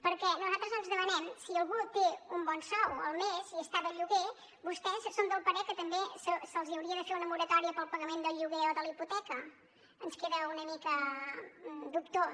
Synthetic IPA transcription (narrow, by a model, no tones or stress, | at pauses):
pəɾkɛnuzalˠt̪ɾəzənzðəmənɛmsiəlˠɣut̪eumbɔnsɔwə̰lˠmeziəst̪aβəʎuɣe | bust̪ɛsəsond̪əlˠpəɾɛkət̪əmbesəsəlˠziəwɾiəðəfeɾunəmuɾət̪ɔɾiəpəlˠpəɣəmend̪əʎuɣeɔðəliput̪ɛkə | ənskeðəunəmikə | d̪uk̚t̪o